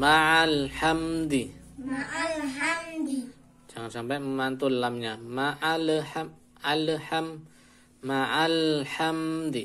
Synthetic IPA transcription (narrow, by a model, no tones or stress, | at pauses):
maalħamd̪i | malhamd̪i | d͡ʒaŋansampajməmant̪ulːamɲamaʔalħam | alħamː | aʔalhamd̪i